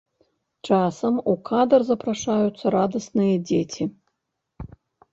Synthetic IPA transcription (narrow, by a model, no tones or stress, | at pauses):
t͡ʂasɐmukʰad̪ɐrzɐpɾaʂajut̪sːɐɾad̪ɐsnɨjɐd͡zʲet͡sʲi